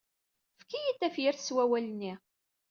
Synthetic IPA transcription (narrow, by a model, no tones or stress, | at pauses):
fkijit̪ːæfjiɾθə̥swæwælənːi